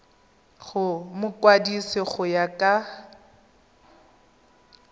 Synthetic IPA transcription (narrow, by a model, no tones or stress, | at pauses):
χʊmʊkʼwadisɪχʊjakʼa